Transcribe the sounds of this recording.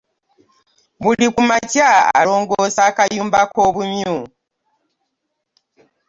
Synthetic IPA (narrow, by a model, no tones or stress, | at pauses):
βulikumacaa̰lo̞ːŋɡosakajuːmbako̞ːβumju